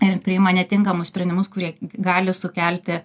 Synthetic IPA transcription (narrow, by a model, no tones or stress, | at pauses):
ɪɾpʲɾʲɪɪmɐnʲɛt̪ʲɪŋkɐmʊssʲpʲɾʲɛnʲd̪ʲɪmʊskʊɾʲiɛɡɑːlʲɪsʊkʲælʲt̪ʲɪ